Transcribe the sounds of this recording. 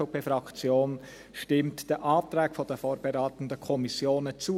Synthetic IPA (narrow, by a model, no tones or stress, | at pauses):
opefʁɑkt͡sjoːn | ʃtɪmtd̥eɐʔaːtʁaːkfodɛfoːɾb̥eʁaːtən̩dəkʰɔmisjoːnət͡suː